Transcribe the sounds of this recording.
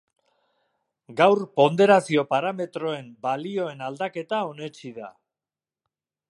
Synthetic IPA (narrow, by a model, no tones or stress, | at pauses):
ɡawɾpo̞nd̪e̞ɾasio̞paɾame̞t̪ɾo̞e̞mbalio̞e̞nald̪ake̞t̪ao̞ne̞t͡ʃiða̰